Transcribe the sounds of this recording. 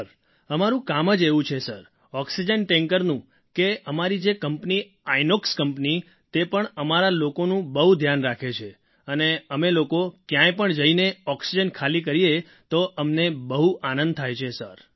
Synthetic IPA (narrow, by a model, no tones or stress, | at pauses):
ɾ | əmaɾũkaməd͡ʒeʋũt͡ʃʰesəɾ | ɔksid͡ʒənʈɛŋkəɾnũ | keəmaɾid͡ʒekəmpni | ainokskəmpni | t̪epəɳəmaɾalokonũbəɦud̪ʱjanɾakʰet͡ʃʰe | əneəmelokokjãjpəɳd͡ʒəineɔksid͡ʒənkʰalikəɾie | t̪oʔəmnebəɦuanə̃nd̪̚t̪ʰajt͡ʃʰesəɾ